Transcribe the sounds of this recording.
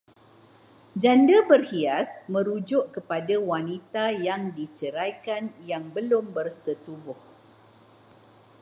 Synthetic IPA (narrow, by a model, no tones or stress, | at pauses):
d͡ʒandabərhiasmə̃ɾud͡ʒʊʔkəpadawanit̪ajaŋdit͡ʃəɾajkanjaŋbəlʊmbərsət̪ubʊh